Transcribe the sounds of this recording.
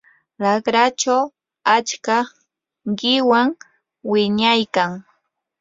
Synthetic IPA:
ɾakɾat͡ʃaw | at͡ʃka | ɢɪwaŋ | wɪɲajkaŋ

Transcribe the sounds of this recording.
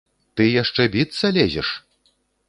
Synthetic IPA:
t̪ɨjaʂt͡ʂɛbʲit̪sɐlʲɛzʲɛ̰ʂ

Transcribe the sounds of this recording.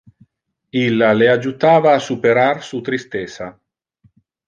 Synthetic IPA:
ilːalead͡ʒut̪aːvaːsupeɾarsut̪ɾist̪ɛsa

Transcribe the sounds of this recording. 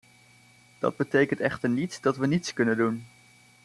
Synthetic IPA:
d̥ɑ̰d̚bətejkəntɛχtəɹnitsdɑtʋənitskɵnəndun

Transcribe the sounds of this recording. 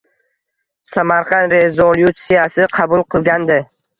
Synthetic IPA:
samaɾqʰɑnɾezolˠjut̪sijasɪqʰɑbʊlˠqʰɨlˠɡʲand̪ɪ

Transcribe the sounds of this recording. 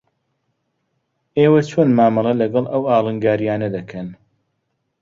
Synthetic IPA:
eːwɐt͡ʃʰoːnmaːmɐlˠɐlɐɡɐlˠʔɐwaːlˠɨŋɡaːɾjaːnɐd̪ɐkʰɐn

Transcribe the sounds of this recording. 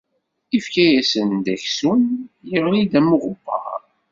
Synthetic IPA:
ifkæjæsənd̪æçsunjiʁlid̪æmuʁʊbɑ̰ʁ

